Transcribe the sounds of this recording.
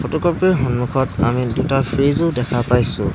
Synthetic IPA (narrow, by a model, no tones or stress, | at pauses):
fʰɔtɔkɔpɛɦɔnmukʰɔta̰midutaɹpʰɹezodɛkʰapajsʊ̃